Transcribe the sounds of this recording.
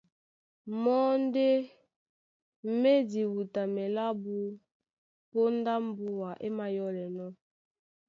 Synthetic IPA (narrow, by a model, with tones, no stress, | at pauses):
mɔ˦n˦de˦ | me˦di˨wu˨ta˨mɛ˨la˦bu˦ | po˦n˦da˦m˦bu˦wa˨ʔe˦ma˨jɔ˦lɛ˨nɔ˦